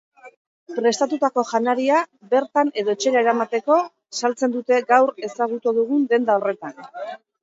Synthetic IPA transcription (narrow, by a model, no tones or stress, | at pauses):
pɾe̞st̪at̪ut̪ako̞ʝanaɾiabe̞ɾt̪ane̞ðo̞et͡ʃe̞ɾaeɾamat̪e̞ko̞ | salt͡se̞nd̪ut̪e̞ɡawɾe̞saɣ̞ut̪uðuɣ̞und̪e̞nd̪ao̞re̞t̪an